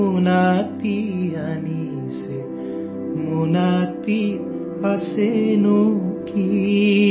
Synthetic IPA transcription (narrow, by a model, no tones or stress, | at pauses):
unat̪ijani | se | munat̪i | asenũki